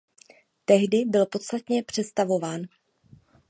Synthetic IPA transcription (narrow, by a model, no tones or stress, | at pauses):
t̪ɛɦdɪbɪlpo̞t̪st̪at̪ɲɛpr̝̥ɛt̪st̪avo̞vaːn